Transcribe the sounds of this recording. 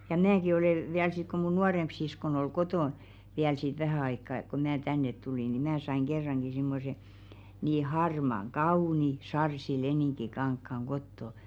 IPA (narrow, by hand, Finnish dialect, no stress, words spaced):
jɑ mæki oleˑ ʋiæl sit ku mun nuɑremp siskon ol kotoˑn ʋiæl sit ʋæhæˑ ɑikːɑ ko mæː tænːet tuliˑ ni mæː sɑiŋ ɡ̊erːɑŋɡ̊i simːose niː hɑrmɑŋ kɑuˑni sɑrsileniˑŋkikɑŋkːɑŋ ɡ̊otːo